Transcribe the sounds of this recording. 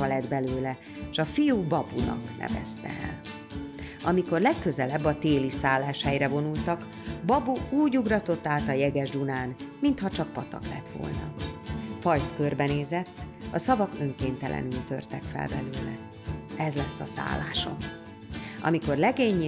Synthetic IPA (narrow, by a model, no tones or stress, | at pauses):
ɒlɛd̪bɛløːlɛ | ʃɒfijubɒbunɒ̰knʔɛ̰vɛ̰st̪ɛ̰ɛ̰l | ɒmiko̞rlɛkːø̞zɛlɛbːɒt̪eːlisaːlːaːʃhɛjrɛvo̞nult̪ɒk | bɒbuuːɟuɡrɒt̪o̞t̪ːaːt̪ɒjɛɡɛʒd̪unaːnmint̪hɒt͡ʃɒk̚pɒt̪ɒ̰klɛt̪ʋo̞̰lnɒfɒjskørbɛneːzɛt̪ːɒsɒvɒkøŋkeːnt̪ɛlʔɛ̰nylt̪ø̞̰rt̪ɛkfɛ̰lbɛløːlɛ | ɛzlɛsːɒsa̰ːlːa̰ːʃo̞̰n | ɒ̰miko̞rlɛɡeːɲː